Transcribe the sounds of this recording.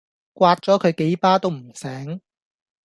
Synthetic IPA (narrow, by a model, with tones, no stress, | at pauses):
kʷwaː˧t̚t͡sɔː˨˥kʰɵ˨˧ɥke˨˥jpaː˥t̪o˥wm̩˨˩sɛː˨˥ŋ